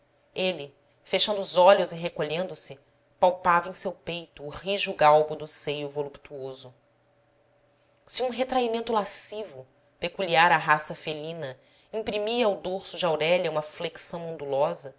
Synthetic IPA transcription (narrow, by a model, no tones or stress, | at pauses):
elɪ | feʃɐ̃nd̪ʊːzɔʎʊzɪɦekoʎẽnd̪ʊsɪ | pawpavɐẽj̃sewpejt̪ʊːhiʒʊɡawbʊd̪ʊsejʊvolupt̪uozʊ | siũɦet̪ɾaimẽnt̪ʊlasivʊ | pekuliaɾaɦasɐfelĩnɐ | ĩpɾimiɐwd̪oɾsʊd͡ʒɪawɾɛʎɐũmɐfleki̥sɐ̃w̃õnd̪ulɔzɐ